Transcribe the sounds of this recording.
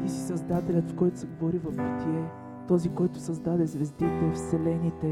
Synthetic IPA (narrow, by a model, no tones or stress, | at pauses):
isisɐzd̪at̪ɛlʲət̪skɔjt̪ʊ̥sɛɡovoɾivɐfbut̪iɛ | t̪ɔzikɔjt̪ʊ̥sɐzd̪ad̪ɛzvɛzd̪it̪ɛfsɛlɛnit̪ɛ